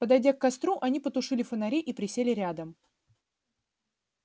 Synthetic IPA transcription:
pəd̪ɐjdʲakːɐst̪ɾuʔɐnʲipət̪ʊʂɨlʲɪfənɐɾʲeʔipɾʲɪsʲelʲɪɾʲad̪əm

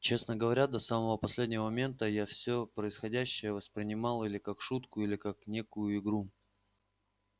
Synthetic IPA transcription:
t͡ɕe̞snəɡəvɐɾʲad̪ɐsaməvəpɐsʲlʲedʲnʲɪvəmɐmʲe̞nt̪əjafsʲɵpɾəɪsxɐdʲæɕːɪjəvəspɾʲɪnʲɪmɑlˠilʲɪkakʂut̪kʊilʲɪkaknʲe̞kʊjʊɪɡɾu

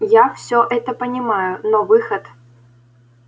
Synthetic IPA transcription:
jafsʲoʔɛt̪əpənʲɪmajʊnovɨxət̪

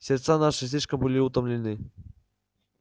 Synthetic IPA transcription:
sʲɪrt̪sanaʂɨsʲlʲiʂkəmbɨlʲiut̪əmlʲɪnɨ

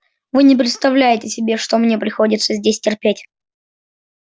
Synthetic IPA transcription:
vɨnʲɪp̬ɾʲɪt̪st̪ɐvlʲæjɪtʲɪsʲɪbʲe̞ʂt̪omnʲepɾʲɪxo̞dʲɪt̪səzʲdʲesʲtʲɪrpʲetʲ

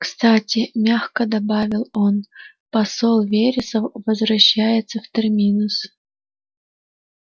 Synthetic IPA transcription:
kst̪atʲɪmʲaxkəd̪ɐbavʲɪlˠon | pɐsolˠvʲeɾʲɪsəfvəzvɾɐɕːæjɪt̪səft̪ɨrmʲinʊs

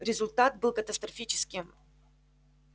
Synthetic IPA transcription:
ɾʲɪzʊlʲt̪at̪̚bɨlˠkət̪əst̪ɾɐfʲit͡ɕɪ̥skʲɪm

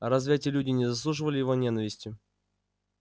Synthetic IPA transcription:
ɐɾɐzvʲætʲɪəlʲudʲɪnʲɪzɐs̬lˠuʐɨvəlʲɪjɪvo̞nʲenəvʲɪsʲtʲʊ

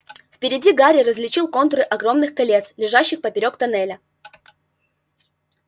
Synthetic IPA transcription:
fpʲɪɾʲɪdʲiɡaɾʲɪɾəzʲlʲɪt͡ɕilˠko̞nt̪ɾɨʔɐɡɾo̞mnɨxkɐlʲe̞t̪slʲɪʐaɕːɪxpəpʲɪɾʲo̞kt̪ɐnɛlʲə

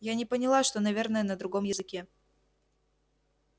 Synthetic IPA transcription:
janʲɪpənʲɪlˠaʂt̪o̞nɐvʲernəjənəd̪ɾʊɡo̞mjɪzɨkʲe

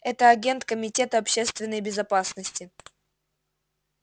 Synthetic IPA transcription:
ɛt̪əɐɡʲe̞nt̪kəmʲɪtʲe̞t̪əɐpɕest̪vʲɪnːəjbʲɪzɐpasnəsʲtʲɪ

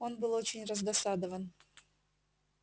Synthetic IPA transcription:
o̞nbɨlˠo̞t͡ɕɪnʲrəzd̪ɐsad̪əvən

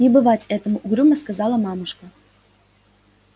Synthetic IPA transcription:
nʲɪbɨvatʲɛt̪əmʊʔuɡɾʲuməskɐzɑlˠəmɑmɨʂkə

